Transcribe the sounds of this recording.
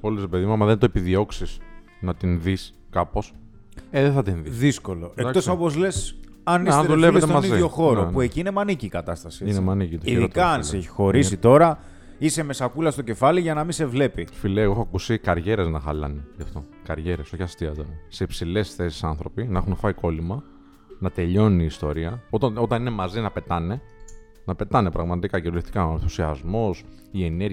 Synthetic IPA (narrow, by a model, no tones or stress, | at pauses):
oliszɾepeðimuɐmɐðent̪oepiðio̞ksis | nɐt̪inðis | kɐpo̞s | eðeθɐt̪inðiðisko̞lo̞ekkto̞sopo̞zle̞s | ɐnisɐeðulevlest̪eomɐziðiʝo̞xo̞ɾopue̞ciine̞mɐniciːkɐt̪ɐst̪ɐsieinemɐnicit̪oiɾot̪kɐɐnseçi̥xo̞ɾis̬it̪o̞ɾɐ | iseme̞sɐkulɐst̪o̞ce̞fɐliʝɐnɐmise̞vle̞pifileeɣoxoɐkusikɐɾʝe̞ɾe̞znɐxɐlɐ̰nejɐft̪o̞kɐɾʝe̞ɾe̞so̞çɐst̪iɐzðɐnse̞ipsile̞sθe̞si̥sɐnθɾo̞pinɐexunfɐiko̞limɐ | nɐt̪e̞ʎo̞nuniːst̪o̞ɾiɐo̞t̪ɐno̞t̪ɐnine̞mɐzinɐpe̞t̪ɐne̞ | nɐpe̞t̪ɐnepɾɐɣmɐt̪ikɐceɾuleft̪i̥kɐoenθusiɐzmo̞s | ie̞ne̞ɾ